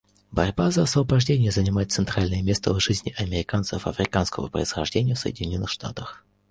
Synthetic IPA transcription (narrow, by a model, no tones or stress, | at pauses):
bɐɾʲbazəɐsvəbɐʐdʲenʲɪjəzənʲɪmajɪt̪sɨnt̪ɾalʲnəjəmʲe̞st̪əvʐɨzʲnʲɪʔɐmʲɪɾʲɪkant̪sə̰fɐ̰fɾʲɪkanskəmə̰pɾə̰ɪsxɐʐdʲenʲɪjəfsə̰jɪ̰dʲɪnʲo̞nːɨxʂt̪a̰t̪əx